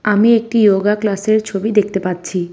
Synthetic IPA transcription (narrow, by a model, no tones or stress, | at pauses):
amiek̚ʈijoɡaklaseɾt͡ɕʰobid̪ekʰt̪epatːɕʰi